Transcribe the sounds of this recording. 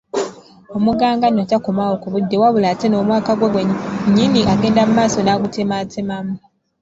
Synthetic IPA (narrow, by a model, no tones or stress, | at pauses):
o̞muɡaːŋɡanotakomaokuβudːe̞waβulateno̞ːmwaːkaɡweɡweɲːiniʔaɡe̞ːndamumaːso̞naɡutematʰemamu